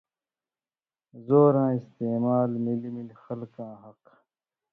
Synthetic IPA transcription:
zoːɾãːist̪eːmaːlmilmilxɐlkãːɦɐq

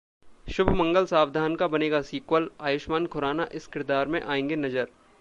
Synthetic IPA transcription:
ʃʊbʱmɐ̃ŋɡəlsaːʋd̪ʱaːnkabɐneːɡasiːkwəlaːjʊʃmaːnkʰʊɾaːnaʔɪskɪɾɪd̪aːɾmẽʔaːẽːŋɡenɐd͡ʒəɾ

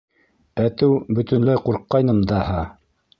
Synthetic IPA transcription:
æt̪ɘwbɵ̆t̪ɵ̆nlæjquɾqːɑjnɤmd̪ɑhɑ

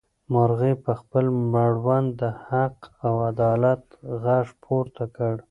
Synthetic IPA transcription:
maɾɣepəxpəlmaɽwand̪d̪əhaqawad̪ɑlat̪ɣaʂpʰoɾt̪akəɽ

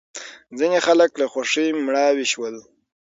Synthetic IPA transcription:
d͡zinexaləklaxwaʂijmɳɑwiʃwəl

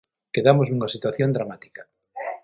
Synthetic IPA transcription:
keðamozuŋasit̪waθjond̪ɾamat̪i̥kḁ

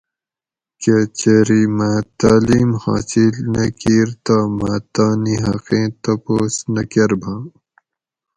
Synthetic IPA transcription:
ket͡ɕeɾimaːt̪aːliːmha̰ːsilnɐkiːɾt̪aːmaːt̪aːniɦɐqẽːt̪ɐpoːsnɐkeɾbʱãː

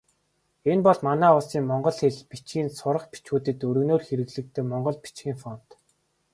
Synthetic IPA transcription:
enpɔɮmanæːʊɮsiːŋmɔɴɢɞ̆ɮxeɮpit͡ɕɡiːnsʊɾə̆χpi̥t͡ɕuːt̪ɘ̆t̪ɵɾɵ̆noːrxeɾɘ̆ɣɮɘ̆k̚t̪ʰeːmɔɴɢɞ̆ɮpi̥t͡ɕɡʲiːŋfɔn̥t̪

